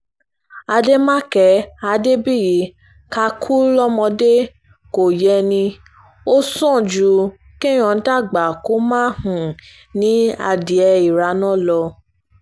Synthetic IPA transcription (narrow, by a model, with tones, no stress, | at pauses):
a˧de˦mã˦kɛ˨˦a˧de˦bi˦˨ji˨˦ | ka˧kʰu˦lɔ˦mɔ̃˧de˦ | ko˨jɛ˧nĩ˧ | o˦sɔ̃˦˨d͡ʒu˨˦ | ki˦˨j̃ɔ̃˨n̩˨˦ta˦˨ɡ͡ba˨ko˦mãː˦hũ˨ | nĩ˦a̰˧di˨ɛ˧i˨ɾa˧˦nɔ̃˦˨lɔ˧